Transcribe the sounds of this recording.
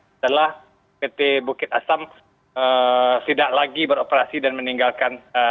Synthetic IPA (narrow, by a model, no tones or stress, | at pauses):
adalah | pet̪ebukɪt̪̚asam | ət̪idaʔlaɡibəɾopəɾasidanməniŋɡalkan